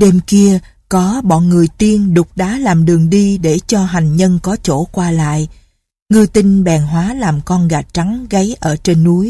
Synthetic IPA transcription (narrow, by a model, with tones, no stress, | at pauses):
ɗe˧mki˧ə | kɔ˨˦ɓɔ̰˧˨nŋɨ˨˩əjt̪i˧ənɗʊ˨˩k͡p̚ɗa̰ː˨˥laː˨˩mɗɨ˨˩əŋɗi˧ɗe˧˩t͡ɕɔ˧ɦa˨˩jŋ̟ɲə˧nkɔ˨˦t͡ɕo̰˧˩kwaː˧la̰ː˧˨j | ŋɨ˧t̪i˧ŋ̟ɓɛː˨˩nɦwaː˨˦laː˨˩mkɔ˧nɣa˨˩t̚t͡ɕa˨˦ŋɣə˨˦jʔəː˧˩t͡ɕe˧nːu˨˦j